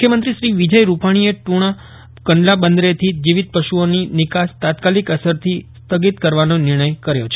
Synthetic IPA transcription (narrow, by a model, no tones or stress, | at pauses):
mukʰjəmənt̪ɾiʃɾiʋid͡ʒəjɾupaɽ̃ieʈuɽ̃a | kəɳɖlabənd̪ɾet̪ʰid͡ʒiʋit̪̚pəʃuoninɪkast̪at̪kalikəsəɾt̪ʰist̪ʰəɡit̪kəɾʋanonɪɾɳ̃əjkəɾjot͡ʃʰe